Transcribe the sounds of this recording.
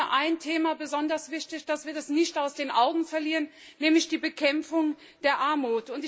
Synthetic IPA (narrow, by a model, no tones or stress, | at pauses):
ɐʔaɪntʰeːmabəzɔndɐsv̥ɪçtɪçd̥asv̥iːɐdasnɪçtaʊsd̥eːnʔaʊɡŋ̩fɛɐliːʁən | nɛːmlɪçd̥iːbəkʰɛmfʊŋ | d̥eːɐʔaɐmuːtʊntɪ